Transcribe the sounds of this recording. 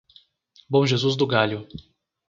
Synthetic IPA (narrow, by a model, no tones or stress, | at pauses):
bõʒezuzd̪ʊɡaljʊ